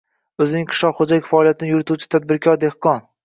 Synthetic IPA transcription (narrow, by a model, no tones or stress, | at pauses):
ɵzɪnɪŋqʰɨ̥ʃlɒqχod͡ʒalɪkʲfaɒlˠijat̪ʰɪnɪjʊɾɪt̪ʰut͡ʃʰɪ̥t̪ʰad̪̚bɪɾkʰʲɒɾd̪e̞hqɒn